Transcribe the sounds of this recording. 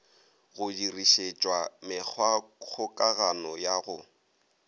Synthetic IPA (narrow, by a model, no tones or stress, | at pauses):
ɣʊdiriʃet͡ʃʼwamɪk͡xʰwak͡xʰʊkʼaɣanɔjaɣʊ